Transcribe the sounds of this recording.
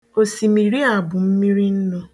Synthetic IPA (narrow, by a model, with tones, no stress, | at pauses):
o˨si˨mi˨ɾi˦a˨bʊ˨m̩˦mi˦ɾi˦n̩˦nʊ˦